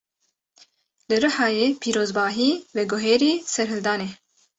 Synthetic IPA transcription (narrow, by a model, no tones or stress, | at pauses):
lɨɾɨħɑːjeːpʰiːɾoːzbɑːɦiːvɛɡoɦeːɾiːsɛɾɦɨld̪ɑːne